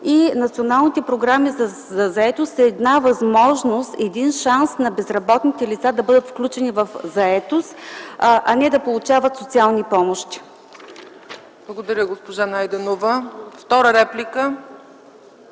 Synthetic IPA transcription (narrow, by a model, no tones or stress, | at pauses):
inɐt̪sionalˠnit̪ɛpɾoɡɾamiz | zɐzɐɛt̪ost̪ɐːd̪navɐzmɔʒnost̪ɛd̪inʃansnɐbɛzɾɐbɔt̪nit̪ɛlit̪sad̪ɐbɤd̪ət̪fklʲut͡ʃɛnivɐfzɐɛt̪ost̪ʔɐnɛd̪ɐpolˠut͡ʃavət̪sot̪sialˠnipɔmoʃt̪i̥ | b̥lˠɐɡod̪ɐɾʲəɡospoʒanajd̪ɛnovəft̪ɔɾəɾɛplʲikə